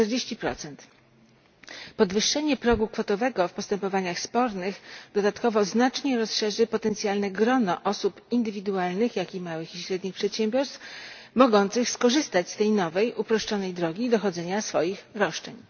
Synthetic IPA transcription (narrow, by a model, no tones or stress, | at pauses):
ɛɾd͡ʑeɕt͡ɕipɾɔ̰t̪sɛnt̪ | pɔd̪vɘʂːɛɲɛpɾɔɡukfɔt̪ɔvɛɡɔfpɔst̪ɛmpɔvaɲaxspɔɾnɘxd̪ɔd̪at̪kɔvɔznat͡ʂɲɛɾɔsʂɛʐɘpɔt̪ɛnt̪sjalnɛɡɾɔnɔʔɔsupind̪ɘvʲid̪ualnɘxjakʲimawɘxiɕɾɛd̪ɲixpʂɛt̪ɕɛmbʲjɔɾst̪fmɔɡɔnt̪sɘxskɔʐɘst̪at͡ɕst̪ɛjnɔvɛjʔupɾɔʂt͡ʂɔnɛjd̪ɾɔɡʲid̪ɔxɔd̪zɛɲasfɔjixɾɔʂt͡ʂɛɲ